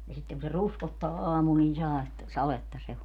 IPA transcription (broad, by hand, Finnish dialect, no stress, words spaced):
jɑ sitːeŋ ku se ruskotːɑː ɑːmul nin̞ sɑetːɑ sɑletːɑ se o